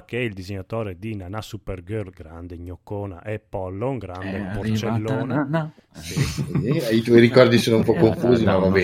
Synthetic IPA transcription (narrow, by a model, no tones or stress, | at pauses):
keɛild̪izeɲat̪ɔːɾed̪inanasuperɡølɡɾand̪eɲokːɔːnaʔɛpːɔlːoŋɡɾand̪eport͡ʃelːɔːna | s | it̪wɔjɾikɔrd̪isoːnoumpɔkːoɱfuːzimmavabɛ